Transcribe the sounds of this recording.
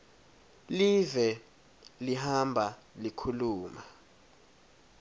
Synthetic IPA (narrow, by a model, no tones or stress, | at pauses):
livɛ | liɦambʱalikʰuluːma